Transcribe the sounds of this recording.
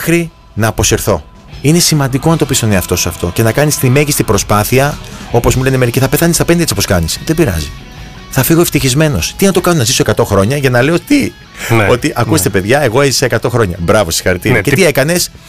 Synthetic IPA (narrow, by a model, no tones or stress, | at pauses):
xɾi | nɐːpo̞seɾθo̞ | ine̞simɐnd̪iko̞nɐt̪o̞pist̪o̞ne̞ɐft̪o̞suɐft̪o̞ce̞nɐkɐnist̪ime̞ʝist̪ibɾo̞spɐθiɐo̞pozmule̞ne̞meɾiciθɐpe̞θɐnist̪ɐpe̞nd̪et͡ssoposkɐnisðebiɾɐ̰zi | θɐfiɣo̞eft̪içizme̞no̞st̪inɐt̪o̞kɐnonɐzisoekɐt̪o̞xɾo̞ɲɐʝɐnɐleot̪i | o̞t̪iʔɐkust̪e̞pe̞ðʝɐe̞ɣo̞e̞zisɐekɐt̪o̞xɾo̞ɲɐ̰bɾɐvo̞si̥xɐɾit̪iɾɐce̞iekɐne̞s